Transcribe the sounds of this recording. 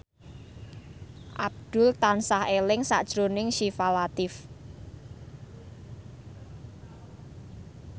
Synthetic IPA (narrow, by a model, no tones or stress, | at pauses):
ʔab̚d̪̥ʊlt̪ansahelɪŋsa̰ʔd̥ʒ̥ɾonɪŋʃifalat̪ɪf